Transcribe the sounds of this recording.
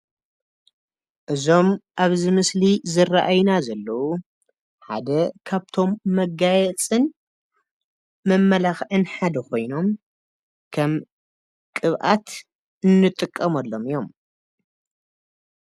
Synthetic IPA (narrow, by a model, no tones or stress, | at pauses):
ʔɨzo̞mʔaβzɨmɨslizɨrːaʔajnazɐlːɐwu | ħa̰d̪ɐkʰaβt̪ʰo̞mːɐɡajɛt͡sʼɨn | mɐmːɐlaxʕɨnħad̪ɐkʰo̞jno̞m | kʰɐm | kʼɨβʔat̪ | ɨnːɨt̪ʼɨkʼːɐmɐlːo̞mɨjo̞m